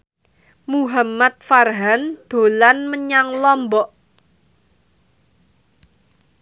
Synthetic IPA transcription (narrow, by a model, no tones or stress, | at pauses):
muɦamat̪̚farɦand̪̥o̤lanməɲaŋlɔmbɔʔ